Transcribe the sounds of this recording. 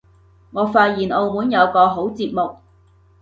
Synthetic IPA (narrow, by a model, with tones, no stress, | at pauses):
ŋɔː˨˧faː˧t̚jiː˨˩nʔo˧wmuː˨˥njɐ˨˧wkɔː˧ɦo˨˥wt͡siː˧p̚mʊ˨k̚